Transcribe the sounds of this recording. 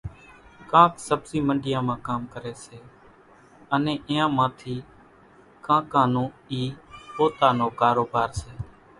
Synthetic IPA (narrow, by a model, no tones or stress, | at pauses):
kãːksəbsiːməɳɖɪjãːmãːkaːmkəɾeːseː | ənẽːʔɪjãːmãːt̪ʰiː | kãːkãːnõːiːpoːt̪aːnoːkaːɾoːbaːɾseː